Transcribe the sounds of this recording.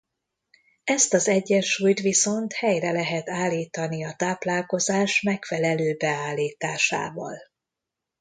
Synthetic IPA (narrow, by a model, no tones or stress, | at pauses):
ɛst̪ɒzɛɟːɛnʃuːjt̪ʋiso̞nt̪hɛjrɛlɛɦɛt̪aːlːiːt̪ɒniɒt̪aːplaːlko̞zaːʃmɛkfɛlɛløːbɛaːlːiːt̪aːʃa̰ːvɒ̰l